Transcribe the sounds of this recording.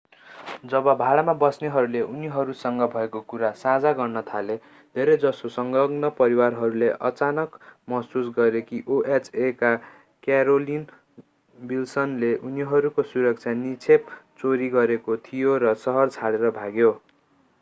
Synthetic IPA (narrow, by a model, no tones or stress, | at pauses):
d͡zʌbʌbʱaɭamabʌsneɦʌɾuleʔuniɦʌɾusʌŋɡʌbʱʌekokuɾasãd͡zaɡʌrnʌt̪ʰale | d̪ʱeɾʌjd͡zʌsosʌŋɡʌɡnʌpʌɾiwarɦʌɾuleʔʌ̰t͡sanʌkmʌsusɡʌɾekiʔoʔet͡sʰeka | kjaɾolin | bilsʌnleʔuniɦʌɾukosuɾʌk̚t͡sʰjanit͡sʰept͡soɾiɡʌɾekot̪ʰijoɾʌsʌɦʌrt͡sʰaɽeɾʌbʱaɡjo